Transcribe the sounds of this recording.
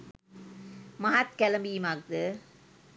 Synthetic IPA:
mɐɦat̪kɛlɐmbiːmaːk̚d̪ɨ

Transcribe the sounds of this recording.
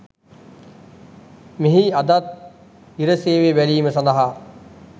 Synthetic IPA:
meɦiɐd̪at̪̚ | iɾəseːʋeʋæliːməsɐnd̪əɦa

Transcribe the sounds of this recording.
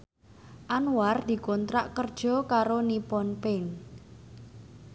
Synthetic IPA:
ʔanward̪̥i̤kɔnt̪ɾaʔkərd̥ʒ̥ɔ̤kaɾonipɔnpɪn

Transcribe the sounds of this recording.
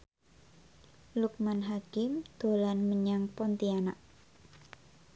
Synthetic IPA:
luk̚manɦakɪmd̪̥o̤lanməɲaŋpɔnt̪ianaʔ

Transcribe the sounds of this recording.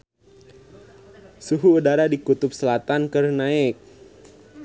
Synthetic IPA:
suɦuːdaɾadikut̪ʊp̚səlat̪ankɨrnaɪk̚

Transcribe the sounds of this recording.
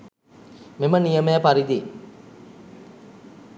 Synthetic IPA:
memənijəmeapaɾid̪i

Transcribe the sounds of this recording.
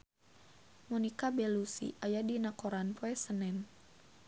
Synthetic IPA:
mɔnikabɛlusḭʔajadinakoɾanpoɛsənɛn

